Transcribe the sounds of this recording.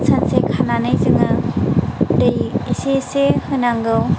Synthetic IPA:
sʰansekʰananajzɯŋɯ | dejesesehɯnaŋɡɯw

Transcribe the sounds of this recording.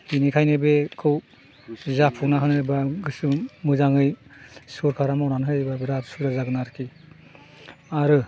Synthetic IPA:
inikʰajnebekʰɯw | zapʰunaɦɯnɯbaɡɯsɯmɯzaŋɯjsuɾkʰaɾamawnanɦɯjbabiɾaɾsuɾazaɡɯnaɾkʰi | aɾɯ

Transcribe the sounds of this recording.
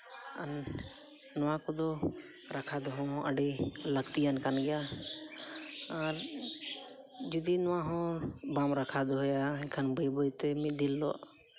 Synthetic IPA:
anː | ɔwakɔd̪ɔ | ɾakʰad̪ɔɦɔ̃ɦɔ̃ʔəɖiləɡt̪ijankanɡɛja | aɾ | d͡ʒud̪inɔwaɦɔ̃bamɾakʰad̪ɔɦɔjakʰanbəjbəjt̪ɛmid̪ilːɔ̰ʔ

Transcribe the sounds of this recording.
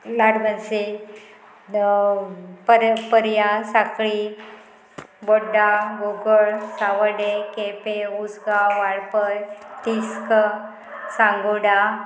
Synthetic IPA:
laɽbənse | pəɾpəɾjasakɭi | boɖaɡoɡəɭsaʋəɽekepeud͡zɡaʋaɭpəjt̪iskə | sãŋɡoɽa

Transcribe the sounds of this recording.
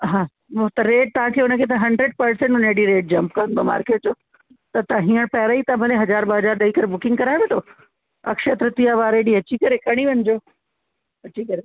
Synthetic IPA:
ɦãː | t̪ɐɾeːʈ̚t̪ɐɦãkʰeːʊnə̆kʰeːt̪ɐɦɐ̃ɳɖɾeɖ̚pɐɾsẽɳʈʊneːɖiɾeːʈ̚d͡ʑɐ̃mpkɐə̃nd̪oma̰ːɾkeːʈ̚d͡ʑoː | t̪ɐt̪ãɦĩːəɽ̃pɐɦɪɾait̪ãbʱɐleɦɐzaːɾbɐɦɐd͡ʑaːɾɗɐikɐɾebʊkɪ̃ŋɡkɐɾaːɪʋẽt̪ʰoː | ɐkʃət̪ɾət̪ijaʋaːɾeːɖiɐt͡ɕikɐɾekɐɽ̃iʋɐɲd͡ʑoː | ɐt͡ɕikɐɾe

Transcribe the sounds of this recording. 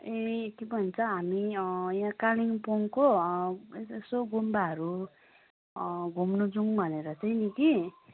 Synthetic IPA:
ek̪ibʱʌint͡sʰʌɦamijãkaliŋpoŋko | esoɡumbaɦʌɾu | ɡʱumnud͡zuŋbʱʌneɾʌt͡sʌjniki

